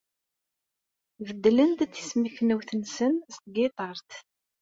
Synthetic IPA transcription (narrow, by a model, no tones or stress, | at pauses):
vəd̪ːlənd̪θi̥smiçnəwθənsənst̪̚ɡɪt̪ˤɑɾˤt̪